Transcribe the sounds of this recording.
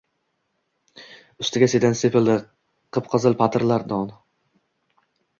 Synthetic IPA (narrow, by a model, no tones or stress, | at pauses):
ʊst̪ɪɡʲased̪ansepʰɪld̪ɪ | qʰɨp̚qʰɨzɨlˠpʰat̪ʰɪɾlaɾd̪ɒn